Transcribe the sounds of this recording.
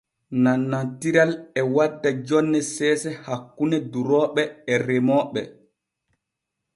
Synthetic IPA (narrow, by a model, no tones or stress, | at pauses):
nanːantiɾalɛwadːad͡ʒɔnːɛsɛːsɛhakːunɛduɾɔːɓɛɛɾɛmɔːɓɛ̰